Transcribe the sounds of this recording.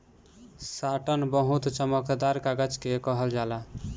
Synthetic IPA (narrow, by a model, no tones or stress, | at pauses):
saʈənbəɦut̪t͡ʃəməkd̪aɾkaɡəd͡ʒkekəɦəld͡ʒala